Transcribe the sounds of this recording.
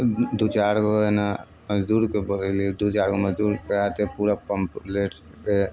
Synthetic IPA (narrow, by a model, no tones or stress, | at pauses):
d̪ut͡ʃaɾɡoena | məd͡ʒd̪uːɾkeboɾɛlid̪ut͡ʃaɾɡoməd͡ʒd̪uːɾkeat̪epuɾapəmpleʈ | ke